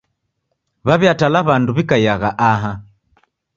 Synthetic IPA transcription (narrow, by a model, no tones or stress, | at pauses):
βaβjatalaβanduβikajaɣaʔaɦa